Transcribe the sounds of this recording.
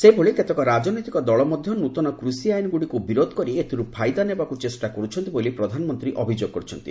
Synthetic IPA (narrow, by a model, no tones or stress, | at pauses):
sebʱoɭiket̪ekɔɾad͡ʒɔnɔjt̪ikɔd̪ɔɭɔmɔd̪ʱjɔnut̪ɔnɔkɾusiajnɔɡuɽikubiɾod̪ʱkɔɾiet̪ʰiɾupʰajd̪anebakut͡ʃesʈakɔɾut͡ʃʰɔnt̪ibolipɾɔd̪ʱanɔmɔnt̪ɾiʔɔbʱid͡ʒoɡ̚kɔɾut͡ʃʰɔnt̪i